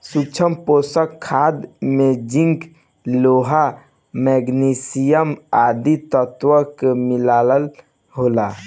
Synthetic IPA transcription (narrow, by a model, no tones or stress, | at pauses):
sut͡ʃʰəmposəkʰːaːd̪med͡ʒĩŋk | loːɦa | mɛɡnisijəmaːd̪it̪ət̪wəkemilaːləl | ɦoːla